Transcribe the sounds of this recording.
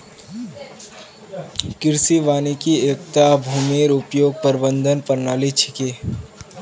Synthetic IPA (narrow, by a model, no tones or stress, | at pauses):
kɪɾsiʋaːnikieːkt̪abʱuːmeːɾʊpjoːɡ̚pəɾbə̃nd̪ʱənpəɾnaːlit͡ʃʰɪ̥keː